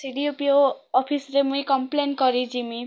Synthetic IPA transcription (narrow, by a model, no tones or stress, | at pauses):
siɽijopioːpʰisɾemujkʌmplenkʌɾid͡zimi